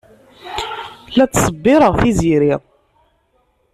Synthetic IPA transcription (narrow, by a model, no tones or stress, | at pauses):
læt͡sːsˤəbːɪɾˤəʁθiziɾiʁˤ